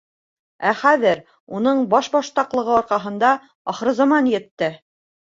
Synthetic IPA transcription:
æχæðɘɾ | unɤɴbɑʃbɑʃt̪ɑqlˠɤ̆ʁɤɒɾqɑɦɤ̆nd̪ɑ | ɑχɾɤ̆zɑmɑnjɘ̆t̪ːɘ

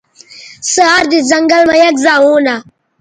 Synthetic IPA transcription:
səaɾd̪izɐŋɡɐlmɐjɐkzaːũːna

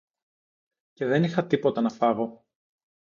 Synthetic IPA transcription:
ce̞ðe̞nixɐt̪ipo̞t̪ɐnɐfɐvo̞

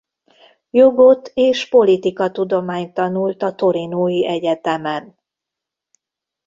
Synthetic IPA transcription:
jo̞ɡot̪eːʃpo̞lit̪ikɒt̪ud̪o̞maːɲt̪ɒnult̪ɒt̪o̞ɾinoːjiʔɛɟɛt̪ɛmɛn

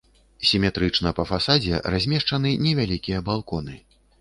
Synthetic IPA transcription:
sʲimʲɛt̪ɾɨt͡ʂn̪ɐpɐfasad͡zʲɛ̰ɾazʲmʲɛʂt͡ʂɐnɨnʲɛvʲalʲikʲijɐbalˠkɔnɨ

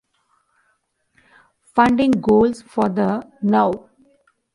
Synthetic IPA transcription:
fʌ̃ɳɖɪ̃ŋɡoːlsfɔːɾd̪ənaʊ

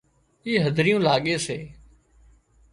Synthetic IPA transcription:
iːɦəd̪ʱɾɪjũːlaːɠeːseː

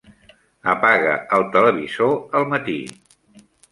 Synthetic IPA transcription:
əpaɣə̰əlˠt̪ələβ̞izoəlˠmət̪ḭ

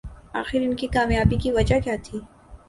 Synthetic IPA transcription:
a̰ːxɪɾɪnkikaːmjaːbikiʋɐd͡ʒakjaːt̪ʰiː

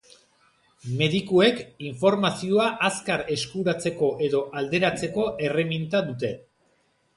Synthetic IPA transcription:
me̞ðikue̞kiɱfo̞ɾmasioaʔaskaɾe̞skuɾat͡se̞ko̞ʔe̞ðo̞ʔald̪e̞ɾat͡se̞ko̞ʔe̞re̞mint̪aðut̪e̞

